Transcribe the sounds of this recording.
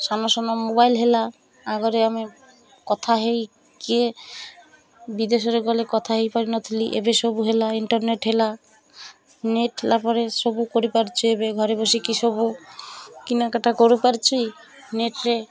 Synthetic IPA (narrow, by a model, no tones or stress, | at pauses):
sanɔsɔnɔmobajlɦela | aɡɔɾeami | kɔt̪ʰaɦej | ke | bid̪esɔɾeɡɔlekɔt̪ʰaɦejpaɾinɔt̪ʰiliʔḛbesobuɦelaiɳʈɔɾneʈɦela | neʈɦelapɔɾesobukoɾipaɾt͡ʃʰuebeɡʱɔɾebosikisɔbu | kinakaʈakoɾupaɾt͡ʃʰij | neʈɾe